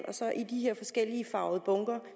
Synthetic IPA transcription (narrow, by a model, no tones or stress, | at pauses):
nɒ̽sɒ̽ʔid̥iheɐ̰fɒ̽sɡ̥el̰iəfɑ̈ʊð̩ˠb̥ɔ̽ŋɡ̥ɐ